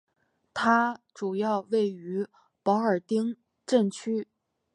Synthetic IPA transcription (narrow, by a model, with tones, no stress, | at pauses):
t̪ʰa˥ʈ͡ʂu˨˩jɑ˥˧ʊwe˥˩ɪy˧˥ | pɑ˧˥ʊə˞˨˩t̪i˥ŋ | ʈ͡ʂə˥˩nt͡ɕʰy˥